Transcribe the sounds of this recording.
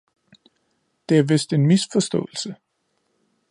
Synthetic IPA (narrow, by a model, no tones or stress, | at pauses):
d̥e̝æɐʋe̝sd̥e̝nmisfɒ̽sd̥ɔ̰̽ːl̩sə